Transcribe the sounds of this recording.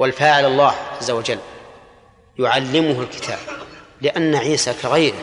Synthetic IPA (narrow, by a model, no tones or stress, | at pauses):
walfaːʕɪlɑlˤːaːhʕazːawad͡ʒalː | jʊʕalːɪmʊɦalkɪ̥t̪ʰa̰ːblɪʔanːaʕiːsakaɣajɾɪ